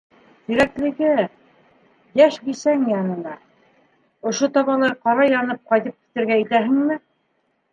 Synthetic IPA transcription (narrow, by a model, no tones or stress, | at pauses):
t̪ĭɾæklɘ̆ɡɘ | jæʃbisæŋjɑnɤ̆nɑ | ŏʃot̪ɑβɑlˠɑɾqɑɾɑjɑnɤp̚qɑjt̪ɤp̚ki̥t̪ɘ̆ɾɡæɘ̆t̪æɦɘ̆ŋmɘ